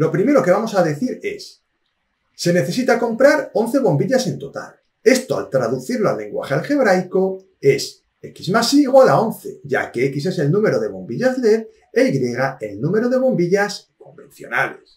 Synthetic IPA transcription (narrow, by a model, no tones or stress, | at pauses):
lo̞pɾime̞ɾo̞ke̞β̞amo̞saðe̞θiɾe̞̰s | e̞ne̞θe̞sit̪ako̞mpɾaɾo̞nθeβ̞o̞mbiʎase̞nt̪o̞t̪a̰l | e̞st̪oa̰lt̪ɾaðuθiɾloa̰lːe̞ŋɡwa̰xealxe̞β̞ɾajko̞ | e̞s | e̞kizmasiːɣwalao̞nθe̞̰ʝa̰keekise̞se̞lnũme̞ɾo̞ð̞e̞β̞o̞mbiʎazleð | ejɣɾje̞ɣ̞ae̞lnũme̞ɾoð̞e̞β̞o̞mbiʎasko̞mbe̞̰n̟θjo̞̰na̰le̞s